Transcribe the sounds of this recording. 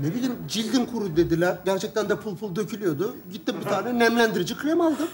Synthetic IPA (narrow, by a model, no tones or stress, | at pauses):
ne̞bilʲimd͡ʒilʲd̪inkʰuɾud̪ed̪ilʲæɾɟæɾt͡ʃʰɛc̚t̪ʰænd̪ɛpʰulˠpʰulˠd̪ø̞cʰylʲyjo̞d̪ʊɟit̪ːimbit̪ʰaːɾnɛnæmlʲænd̪iɾid͡ʒikʰɾʲemalʲd̪ɯ